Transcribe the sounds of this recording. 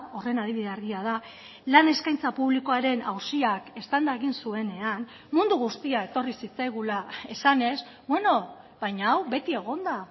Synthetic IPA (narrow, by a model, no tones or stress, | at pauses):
o̞re̞nað̞iβiðe̞aɾɣiað̞a | lane̞skajnt͡sapuβliko̞aɾe̞nawsiake̞st̪and̪ae̞ɣinsue̞ne̞an | mund̪uɣ̞ust̪iae̞t̪o̞risit͡sajɣ̞ulae̞sane̞s | bwe̞no̞ | βajɲaːwβe̞t̪ie̞ɣ̞o̞nd̪a